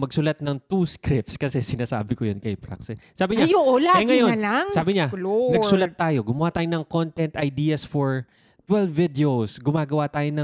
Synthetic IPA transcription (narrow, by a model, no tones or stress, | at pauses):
mɐɡ̚sʊlat̪̚nɐŋt̪uskɾɪp̚t̪skɐsɛsɪnaːsa̰ːbɪkojonkɐjpɾa̰ksɪsaːbɪɲajoʔolaɐjŋɐjonlaŋsaːbɪɲalonɐɡsʊlɐt̪̚ːaːjo̞ɡʊmɐwaːt̪aːjonɐŋkont̪ɛnt̪ʔɐjd̪iːɐsfɔɹ | t̪wɛlbːɪd̪ɛosɡʊmaːɡɐwat̪aːjonɐ